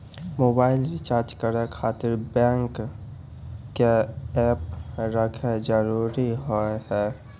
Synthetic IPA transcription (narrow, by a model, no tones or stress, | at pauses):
moːbaːɪlɾɪt͡ʃaːɾd͡ʒkəɾekʰaːt̪ɪɾbɛ̃ːŋk | eɛːpɾəkʰed͡ʒəɾuːɾiɦoɦɛː